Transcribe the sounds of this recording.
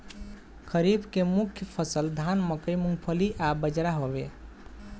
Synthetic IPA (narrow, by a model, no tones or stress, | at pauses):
kʰəɾibkemukʰjəpʰəsəld̪ʱanməkəjmuŋɡpʰəliʔabəd͡ʒɾaɦobe